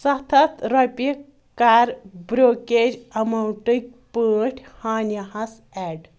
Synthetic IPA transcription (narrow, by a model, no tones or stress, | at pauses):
sɐt̪ʰɐt̪ɾɐpi | kaːɾbɾoːkeːd͡ʒɐmɐwʈɨk̚ʲpəːʈʰʲhaːnjɐhɐs | ɛːɖ